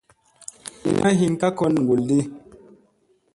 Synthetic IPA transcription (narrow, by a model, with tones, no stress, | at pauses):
ḭ˦nʔa˦ɦi˦nka˦kɔ˦nŋ˨ɡu˨ldi˦